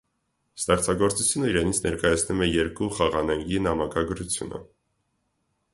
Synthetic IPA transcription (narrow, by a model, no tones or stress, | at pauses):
st̪ɛχt͡sʰɑɡɔɾt͡sut͡sʰjunəiɾɛnit͡sʰnɛɾkɑjɑt͡sʰnumɛjɛɾkuχɑʁɑnɛŋɡinɑmɑkɑɡɾut͡sʰjṵnə̰